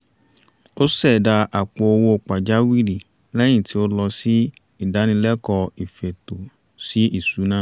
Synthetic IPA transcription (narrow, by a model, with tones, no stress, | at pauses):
o˦sɛ˦˨da˧ʔa˨k͡po˨o˧wo˧o˧k͡pa˨d͡ʒa˨˦wi˦˨li˨ | lɛ˦j̃ĩ˦˨ti˨˦o˦lɔ˧si˦ | i˦˨da˨˦nĩ˧lɛ˦kɔ˧i˨fe˨to˨ | si˦i˦˨su˨˦nãː˦